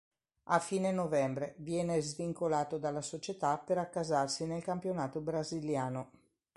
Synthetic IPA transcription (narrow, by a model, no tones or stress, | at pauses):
afiːnenovɛmbɾevjɛːnezviŋkolaːt̪od̪alːasot͡ʃet̪apːeɾakːazarsinelkampjonaːt̪obɾaziljaːno